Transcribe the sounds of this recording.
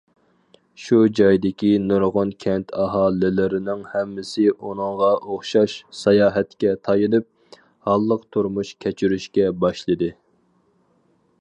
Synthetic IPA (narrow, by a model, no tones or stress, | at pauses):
ʃud͡ʒɑjd̪ɪkʲinoɾʁʊnkʲʰɛnt̪ʰɑɦɑːlɪlɪɾɪnɪŋhɛmːɪsɪʔunɨŋʁɑʔoχʃɑʃsɑjɑːɦɛt̪kʲɛt̪ʰɑjɨnɨp̚ | hɑlˠːəqt̪ʰuɾmuʃkʲʰɛt͡ʃʰyɾyʃkʲɛbɑʃlˠɨd̪ɨ